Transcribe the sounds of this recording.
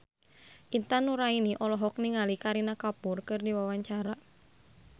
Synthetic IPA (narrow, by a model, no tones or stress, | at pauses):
ʔint̪anuɾainiʔɔlɔɦɔk̚niŋalikaɾinakapʊrkɨrdiwawaɲt͡ʃaɾa